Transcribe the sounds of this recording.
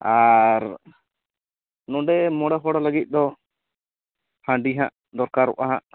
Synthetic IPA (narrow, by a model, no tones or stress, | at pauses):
aɾ | nɔ̃ɖɛmɔɽaɦɔɽaləɡit̪̚ˀd̪ɔ | hãɳɖiɦãʔ | d̪ɔɾkaɾɔ̰ʔaɦãʔ